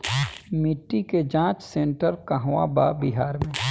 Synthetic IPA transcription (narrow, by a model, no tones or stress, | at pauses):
mɪʈːiked͡ʒãːt͡ʃsẽɳʈəɾkəɦʋabaːbiɦaːɾmẽ